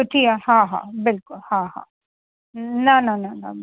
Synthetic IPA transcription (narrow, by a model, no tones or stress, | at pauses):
ʊʈʰijahãːɦa̰bɪlkʊlhãɦa̰ | nananana̰